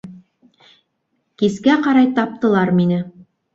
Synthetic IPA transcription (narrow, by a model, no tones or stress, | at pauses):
kiskæqɑɾɑjt̪ɑp̚t̪ɤ̆lˠɑɾminɘ